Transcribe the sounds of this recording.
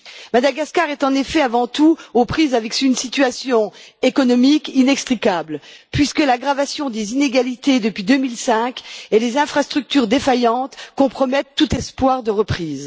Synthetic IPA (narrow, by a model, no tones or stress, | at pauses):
mad̪aɡaskaʁɛt̪ɑ̃nefɛavɑ̃t̪uopχizavɛksynsit̪yasjɔ̃ekɔnɔmikinɛkst̪χikablpɥiskəlaɡʁavasjɔ̃d̪ezineɡalit̪ed̪əpɥid̪ømilsɛ̃kelezɛ̃fχast̪χyk̚t̪yʁd̪efajɑ̃t̪kɔ̃pχɔmɛt̪ːut̪ɛspwaʁd̪əʁəpχiːz